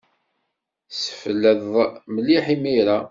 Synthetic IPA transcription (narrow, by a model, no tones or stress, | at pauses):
sə̥fəlːəðˤməlːiħimiɾa